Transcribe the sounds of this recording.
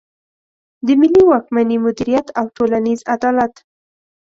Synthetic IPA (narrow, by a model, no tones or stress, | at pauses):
d̪əmɪlːiwɑkmanimʊd̪iɾijat̪awʈolanizad̪ɑlat̪